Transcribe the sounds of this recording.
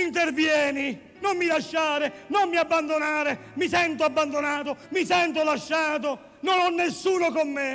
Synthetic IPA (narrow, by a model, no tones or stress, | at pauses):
int̪ervjɛːni | nomːilaʃːaːɾɪnommiabːand̪onaːɾemisɛnt̪oabːand̪onaːt̪omisɛnt̪̬olaʃːaːt̪̬o | nonɔnːesːuːnokomːe